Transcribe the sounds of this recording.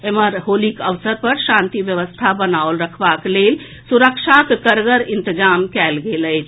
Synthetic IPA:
eməɾɦolikəʋsəɾpəɾʃãnt̪iʋjəʋəst̪ʰabənaolɾəkʰbaklel | suɾəkʃʰakkəɾɡəɾint̪əd͡ʒamkɛlɡeləjt͡ʃʰ

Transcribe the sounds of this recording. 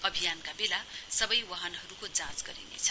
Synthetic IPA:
ʌbʱijankabelasʌbʌjwaɦʌnɦʌɾukod͡zãsɡʌɾḭnḛt͡sʰʌ

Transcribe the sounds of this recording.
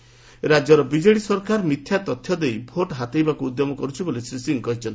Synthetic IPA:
ɾad͡ʒjɔɾɔbid͡ʒeɽisɔɾkaɾmit̪ʰjat̪ɔt̪ʰjɔd̪ejbʱoʈɦat̪ejbakuːd̪jɔmɔkɔɾut͡ʃʰibolisɾisiŋkɔɦit͡ʃʰɔnt̪i̥

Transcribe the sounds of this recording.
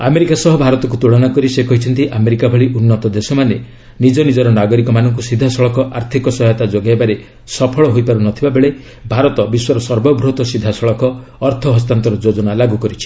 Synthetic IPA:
ameɾikasɔɦɔbʱaɾɔt̪ɔk̬ut̪uɭɔnakɔɾisekɔɦit͡ʃʰɔnt̪iʔameɾikabʱɔɭiʔunːɔt̪ɔd̪esɔmane | nid͡ʒɔnid͡ʒɔɾɔnaɡɔɾikɔmanɔŋk̬usid̪ʱːasɔɭɔkɔʔaɾt̪ʰikɔsɔɦjɔt̪ad͡ʒoɡaebaɾe | sɔpʰɔɭɔɦojpaɾunɔt̪ʰibabeɭe | bʱaɾɔt̪ɔbiswɔɾɔsɔɾbɔbɾot̪ɔsid̪ʱːasɔɭɔkɔːɾt̪ʰɔɦɔs̬t̪ant̪ɔɾɔd͡ʒod͡ʒɔnalaɡukɔɾit͡ʃʰi̥

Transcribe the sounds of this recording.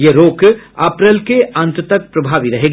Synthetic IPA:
jeɾoːkɐpɾelkeɐ̃nt̪t̪ɐk̚pɾɐbʱaːʋiɾɐɦeːɡ

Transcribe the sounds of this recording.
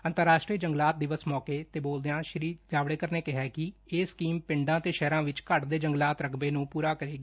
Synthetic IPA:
ənt̪əɾːaːʃʈɾiːd͡ʒəŋɡlaːt̪̚d̪ɪʋəsmɔːkeːt̪eːboːld̪eãːʃɾiːd͡ʒaːʋɽeːkəɾneːkɪɦɛːkɪeːskiːmpɪɳɖãːt̪eːʃɛːɾãːʋɪt͡ʃkəʈd̪eːd͡ʒəŋɡlaːt̪ɾəkʰbeːnũːpuːɾaːkəɾeːɡiː

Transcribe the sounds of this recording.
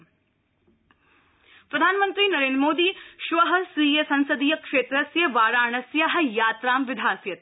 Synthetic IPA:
pɾɐd̪ʱaːnɐmɐnt̪ɾinɐɾeːndɾmoːd̪iːʃʋɐɦɐ̆siːjesɐ̃nsɐd̪iːjɐkʂeːt̪ɾɐsjɐʋaːɾaːɳɐsjɐɦɐ̆jaːt̪ɾaːmʋɪd̪ʱaːsjɐt̪

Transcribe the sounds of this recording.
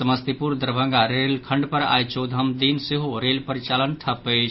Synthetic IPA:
səməst̪ipuɾd̪əɾbʱəŋɡaɾelkʰəɳɖpəɾa̰jt͡ʃʰod̪ʱəmd̪inseɦoɾelpəɾit͡ʃalənʈʰəpət͡ʃʰ

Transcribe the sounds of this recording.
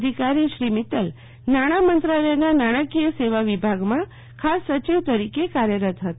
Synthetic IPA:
d̪ʱikaɾiʃɾimit̪əl | naɽ̃amənt̪ɾaləjnanaɽ̃əkijəseʋaʋibʱaɡmã | kʰasːət͡ʃiʋt̪əɾikekaɾjəɾət̪ɦət̪

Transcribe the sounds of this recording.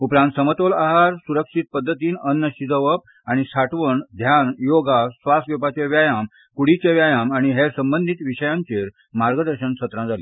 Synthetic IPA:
upɾãnt̪səmət̪olaɦaɾsuɾəkʂit̪̚pəd̪ʱːət̪iːnənːəɕid͡zəʋəp̚ | aɽ̃isaʈʋəɳd̪ʱjanjoɡasʋast̪ʋopat͡ɕeʋjajam | kuɽit͡ɕeʋjajamaɽ̃iɦesəmbənd̪ʱit̪ʋiɕəjãɲt͡ɕeɾ | maɾɡəd̪əɾɕənɕət̪ɾãd͡zalḭ

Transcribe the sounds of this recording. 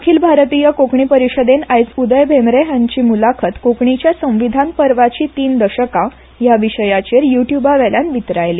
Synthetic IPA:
akʰiːlbʱaɾt̪ijəkokɳipəɾiɕəd̪enajt͡sud̪əjbʱemɾeɦãɲt͡ɕiːmulakʰət̪kokɳit͡ɕjasə̃w̃ʋid̪ʱanpəɾʋat͡ɕiːt̪iːnd̪əɕəka | jaʋiɕəjat͡ɕeɾjuʈjubaʋɛljanʋit̪ɾajli

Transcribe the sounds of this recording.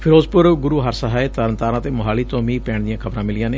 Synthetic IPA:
pʰɪɾoːzpʊɾɡʊɾuːɦəɾsəɦaːeːt̪əɾənt̪aːɾãːt̪eːmʊɦaːliːt̪õːmiːpɛːɳd̪ɪjãːkʰəbɾãːmɪlɪjãːneː

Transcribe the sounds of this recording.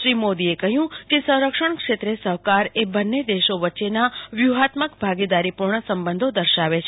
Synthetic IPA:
ʃɾimod̪iekəɦjũkesə̃w̃ɾəkʂəɳkʂet̪ɾesəɦkaɾebənːed̪eʃoʋətːʃenaʋjuɦat̪məkbʱaɡid̪aɾipuɾɳəsəmbənd̪ʱod̪əɾʃaʋet͡ʃʰ

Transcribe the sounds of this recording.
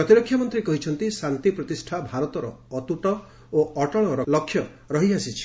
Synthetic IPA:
ɔt̪iɾɔkʰːjɔmɔnt̪ɾikɔɦit͡ʃʰɔnt̪isant̪ipɾɔt̪isʈʰabʱaɾɔt̪ɔɾɔ̰ːt̪uʈɔ | oʔɔʈɔɭ̃ɔɾɔlɔkʰːjɔ | ɾɔɦiasit͡ʃʰi̥

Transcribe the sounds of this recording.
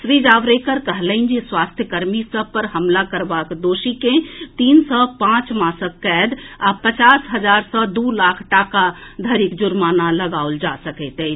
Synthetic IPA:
sɾid͡ʒaːʋɾekəɾkəɦləind͡ʒiswast̪ʰjəkəɾmisəb̚pəɾɦəmlakəɾbaːkd̪oːʃikẽt̪iːnsɔpãːt͡ʃmaːsəkːɛːd̪apət͡ʃaːsɦəd͡ʒaːɾsɔd̪ulakʰʈaːkad̪ʱəɾikd͡ʒʊɾmaːnaləɡaold͡ʒasəkɛt̪ɛ

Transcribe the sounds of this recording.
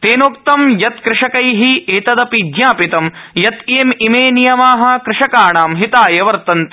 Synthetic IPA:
t̪eːnoːkt̪ɐmjɐt̪kɾɪʂɐkɐjɦiʔeːt̪ɐd̪ɐpid̪ɲaːpit̪ɐmjɐt̪eːmimeːnijɐmaːɦɐ̆kɾɪʂɐkaːɳaːmɦit̪aːjɐʋɐɾt̪ɐnt̪

